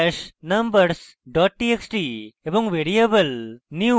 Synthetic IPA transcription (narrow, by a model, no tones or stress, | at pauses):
ʃnɐmbəɾs | ɖɔːʈ̚ːʈieksʈiebõŋɡʋeɾiɐbəlnju